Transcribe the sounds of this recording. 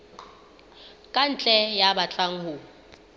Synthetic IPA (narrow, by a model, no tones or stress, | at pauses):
kʼant͡ɬʼɛjaɓat͡ɬʼaŋ̩hu